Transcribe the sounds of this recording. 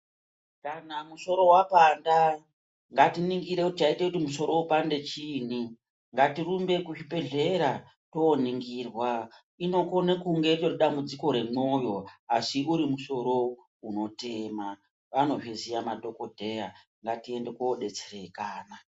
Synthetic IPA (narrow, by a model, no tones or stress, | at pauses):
kanamuso̞ɾo̞wapanda | ŋɡatiniŋɡiɾekutit͡ʃaitekutimuso̞ɾo̞upande̞t͡ʃiːn̤i | ŋɡatirumbe̞kuʃibe̞ɮe̞ɾa | to̞niŋɡirwa | ino̞ko̞nekuŋɡe̞rit͡ʃoriɗambud͡ziko̞ɾe̞mo̞jo̞asiuɾimuso̞ɾo̞ | uno̞tema | ʋano̞ʐezijamadʱo̞kodʱe̞ja | ŋɡatie̞nde̞koɗe̞t͡sere̞kaːna